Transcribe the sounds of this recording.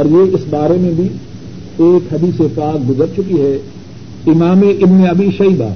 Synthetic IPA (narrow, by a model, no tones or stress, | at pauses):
ɔːɾjeɪsbaːɾemẽbʱi | eːkɦɐd̪iːsepaːk̚ɡʊzəɾt͡ʃʊkiɦɛː | ɪmaːmeʔɪbneɐbʱiʃɐiːd̪a̰ː